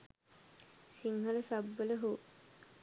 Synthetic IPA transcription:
siŋɦɐləsabːələɦuː

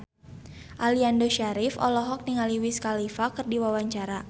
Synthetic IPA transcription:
ʔaliandoʃaɾɪfɔ̰lɔɦɔk̚niŋaliwiskalifakɨrdiwawaɲt͡ʃaɾa

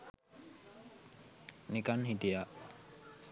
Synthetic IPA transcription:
nikanɦid̪ijaʔ

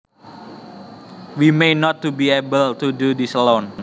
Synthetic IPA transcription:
wimenɔt̪ːubiebəlt̪ududislon

